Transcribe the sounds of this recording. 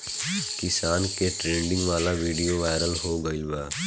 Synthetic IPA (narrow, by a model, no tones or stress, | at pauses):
kɪsaːnkeʈɾẽːɳɖɪ̃ŋɡʋaːlaʋiːɖijoʋaːɪɾəlɦoɡəɪlbaː